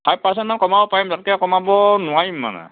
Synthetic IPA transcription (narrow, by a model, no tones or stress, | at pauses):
tʰajpas̬ɛntmankɔmaɔpaɹimzatkɛkɔmabɔnʊwaɹimːa̰nɛ̰